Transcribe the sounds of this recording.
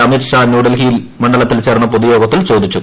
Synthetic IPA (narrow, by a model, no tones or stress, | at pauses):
ɐmiːrʂanjuːɖelɦijil | mɐɳɖɐlɐt̪ːilt͡ɕe̞ːrɳːɐpoðujo̞ːɡɐt̪ːilt͡ɕo̞ːd̪it͡ɕːu